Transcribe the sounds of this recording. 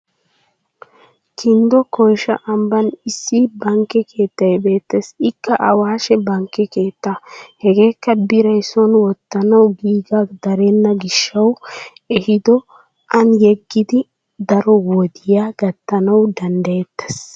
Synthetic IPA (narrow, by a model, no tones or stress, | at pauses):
kʰɪnd̪ɔkɔjʃɐʔɐmbɐnɪsːibɐŋkːɛkʰe̞ːt̪ːɐjbe̞ːt̪ːesɪkːɐʔɐwaːʃɛbɐŋkɛke̞ːt̪ːahɛɡe̞ːkːɐbɪɾɐjsɔnwɔt̪ːɐnɐwɡiːɡaːkd̪ɐɾenːɐɡɪʃːɐw | ɛhɪd̪ɔ | ʔɐnjɛɡːɪd̪ɪ | d̪ɐɾɔwɔd̪ɪjaːɡɐt̪ːɐnɐwd̪ɐnd̪ɐjɛt̪ːɛs